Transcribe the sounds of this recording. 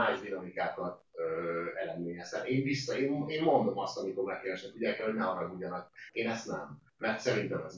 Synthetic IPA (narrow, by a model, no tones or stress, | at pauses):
aːjzd̪inɒmikaːkɒt̪ | øːɛlɛd̪meːɲɛst̪ɛt̪eːɱvisːɒeːmeːnmo̞nd̪o̞mɒst̪ɒmiko̞ɾmɛkeːɾɛʃnɛkuɟɛkɛlho̞ɟnɛɒɾɒɡujɒnɒkeːnɛst̪nɛ̰mː | ɛrt̪sɛɾint̪ɛmɛz